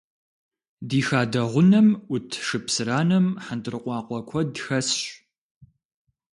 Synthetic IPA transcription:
diːxaːdɐʁʷʊnɐmʷʊtʰʂɨpsɨɾaːnɐmħandɨrɨqʷɑːqʷɔkʷʰɔdxɐsɕ

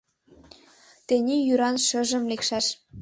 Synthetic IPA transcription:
t̪enʲijyɾɑnʃə̆ʒə̆mlekʃɑʃ

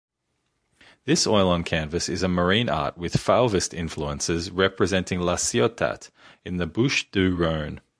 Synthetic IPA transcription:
ðɪsɔɪlˠə̃nkʰæ̃nvəsɪzəmə˞ĩːnɑ̰ˑʔ̚wɪð̥falˠvəstɪ̰̃ɱfluə̃nsɪzɹɛpʰɹɨzɛ̃ntʰɪ̃ŋlasiɔtʰa̰t | ɪ̃nðəbʊʃd̥ʉɹə̃ʊ̃n

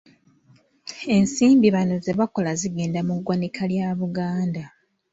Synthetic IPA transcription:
e̞nsiːmbiβano̞ze̞βako̞laziɡe̞ːndamuɡwanikʰaljaːβuɡaːnda

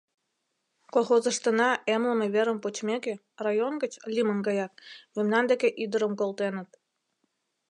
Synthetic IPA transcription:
kolˠxozə̆ʃt̪ə̆nɑemlə̆meβeɾə̆mpot͡ɕmʲeke | rɑjonɡə̆t͡ɕlʲimənɡɑjɑt̪̚jəmnɑnd̪ekeʔid̪əɾə̆mkolˠt̪enə̆t̪̚

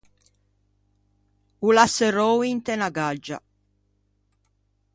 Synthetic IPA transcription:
ulaserowint̪enaɡad͡ʒa̰

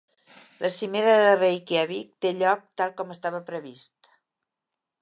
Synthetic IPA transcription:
lʔəsimeɾəðərejkeaβik̚t̪eʎɔk̚t̪alˠkɔməst̪aβəpɾəβist̪

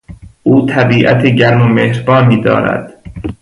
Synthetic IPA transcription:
ʔuːt̪ʰæbiːʔæ̰t̪ʰeɟæɾmomehɾbɒːniːd̪ɒ̰ːɾæ̰d̪̥

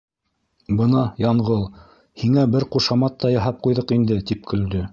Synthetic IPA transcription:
bɤnɑjɑɴʁɤlˠ | hiŋæbɘɾquʃɑmɑt̪ːɑjɑɦɑp̚qujðɤqind̪ɘt̪ip̚kʰɵ̆ld̪ɵ

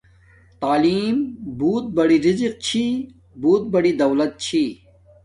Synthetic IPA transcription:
t̪aːliːmbuːt̪̚bɐɽiɾiziq̚t͡ɕʰi | buːt̪̚bɐɽid̪ɐwlɐt̪̚t͡ɕʰi

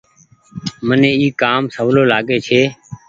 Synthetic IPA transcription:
mənẽːiːkaːmsəʋloːlaːɠeːt͡ʃʰeː

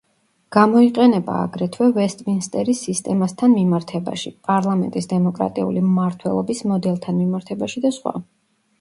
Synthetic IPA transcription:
ɡ̥amɔiqʼɛnɛba̰ːɡɾɛt̪ʰwɛvɛst̪ʼminst̪ʼɛɾisist̪ʼɛmast̪ʰanmimaɾt̪ʰɛba̰ʃipʼaɾlˠamɛ̰nt̪ʼisd̪ɛmɔkʼɾa̰t̪ʼiṵlimaɾt̪ʰwɛ̰lˠɔbismɔd̪ɛlˠt̪ʰanmimaɾt̪ʰɛbaʃid̪asχwa̰

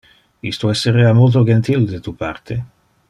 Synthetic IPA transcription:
ist̪oɛsːeɾeamolt̪̬od͡ʒent̪ild̪et̪upa̰rt̪ʰe

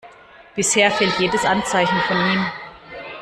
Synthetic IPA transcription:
b̥ɪsheːɐfɛltjeːdəsʔant͡saɪçn̩fɔniːm

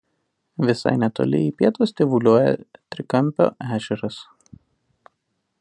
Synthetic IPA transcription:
ʋʲɪsɐ̰ɪnʲɛt̪o̰ːlʲɪ̰ipʲiɛt̪oːsʲt̪ʲɪʋʊlʲuɔjɛ̰t̪ʲɾʲɪkɐmʲpʲo̰ːʔæːʒʲɛɾɐs

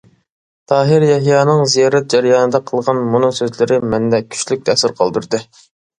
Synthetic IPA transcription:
t̪ʰɑːɦɪɾjɛɦjɑːnɨŋzijɑːɾɛt̪̚d͡ʒɛɾjɑːnɨd̪ɑqʰəlˠʁɑnmunɨsøzlɪɾɪmɛnd̪ɛkʲʰy̥ʃlyk̚ʲt̪ʰɛsɪɾqʰɑ̰lˠd̪uɾd̪ɨ

